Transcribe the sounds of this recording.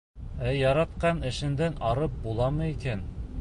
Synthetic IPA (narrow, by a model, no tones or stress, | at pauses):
æjɑɾɑt̪̚qɑnɘ̆ʃɘ̆nd̪ænʔɑɾɤp̚bulˠɑmɤ̆ikæn